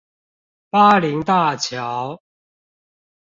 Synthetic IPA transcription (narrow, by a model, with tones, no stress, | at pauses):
pa˦li˨˧˦ŋt̪a˥˨t͡ɕʰjɑ˨˦ʊ